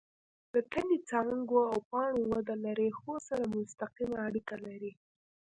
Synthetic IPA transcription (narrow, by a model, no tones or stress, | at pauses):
d̪ət̪anit͡sɑŋɡoawpɑɳowad̪alaɾexosaɾamʊst̪aqimaːɽikalaɾi